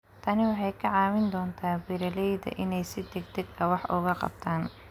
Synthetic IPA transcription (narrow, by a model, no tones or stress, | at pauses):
t̪ʰɐnɪwɑħɑjkʰɐʕɑːwɪnd̪ɔːnt̪ʰaːbɪɾɐlɛjðɐ̰ʔɪnɛjsɪd̪ɛɡ̚d̪ɛɡɐwɑħʔʊɣɐqɑ̰b̚t̪ʰaːn